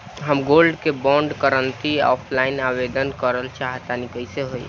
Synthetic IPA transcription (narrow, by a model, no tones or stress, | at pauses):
ɦəmɡolɖkebɔ̃ɳɖkəɾənt̪iɔ̰pʰlainabed̪ənkəɾəlt͡ʃaɦt̪anikəjseɦoj